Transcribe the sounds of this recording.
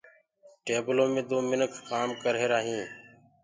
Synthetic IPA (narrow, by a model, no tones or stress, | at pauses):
ʈeːbəlõːmẽːd̪oːmɪnəkʰːaːmkəɾɦeːɾaːɦĩː